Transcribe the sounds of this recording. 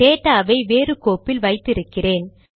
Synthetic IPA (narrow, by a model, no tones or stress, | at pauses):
eːʈːaːʋɐɪʋeːɾɯkoːpːɪlʋɐɪt̪ːɪɾɯkːɪreːn